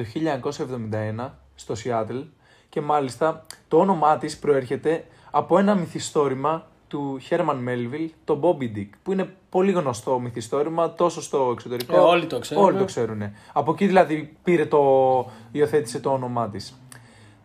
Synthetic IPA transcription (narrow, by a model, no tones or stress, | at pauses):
o̞çiʎɐɲɐko̞sɐevðo̞mind̪ɐe̞nɐ | st̪o̞siɐt̪el | ce̞mɐlist̪ɐt̪o̞o̞no̞mɐt̪ispɾo̞e̞ɾçe̞t̪e̞ | ɐpo̞e̞nɐmiθist̪o̞ɾimɐ | t̪uçe̞ɾmɐnme̞lvilt̪o̞bo̞bid̪ikpuine̞po̞liɣno̞st̪o̞miθist̪o̞ɾimɐt̪o̞sost̪o̞ekso̞t̪e̞ɾikolit̪oksolit̪okse̞ɾune̞ɐpo̞ciðilɐðipiɾe̞t̪o̞io̞θe̞t̪i̥se̞t̪oo̞no̞mɐt̪is